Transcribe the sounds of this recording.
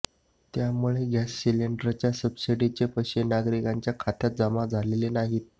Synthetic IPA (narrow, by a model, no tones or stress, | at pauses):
t̪jamuɭeɡʱasɕileɳɖɾt͡ɕjasəbsiɽit͡ɕepəɕenaɡɾikaɲt͡ɕjakʰat̪jat̪̚d͡zəmad͡zʱalelenaɦiːt̪̚